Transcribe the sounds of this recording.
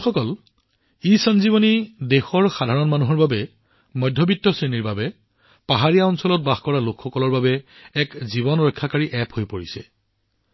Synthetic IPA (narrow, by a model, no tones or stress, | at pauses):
xɔkɔl | isɔnziβɔnidexɔɹxadʱaɹɔnmanuɦɔɹbabɛ | mɔjdʱːɔbitːɔsɹeniɹbabɛ | paɦaɹijaɔnsɔlɔt̚baxkɔɹalokʰxɔkɔlɔɹbabɛːkziβɔnɹɔjkʰːakaɹiʔɛpʰhojpoɹisɛ̰